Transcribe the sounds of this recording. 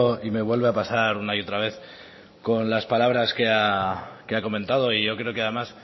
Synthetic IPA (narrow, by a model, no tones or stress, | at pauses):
ime̞βwe̞lβeapasaɾunaio̞t̪ɾaβ̞e̞θ | ko̞nlaspalaβ̞ɾaske̞akeako̞mẽnt̪að̞o̞iʝo̞kɾeo̞keaðe̞mas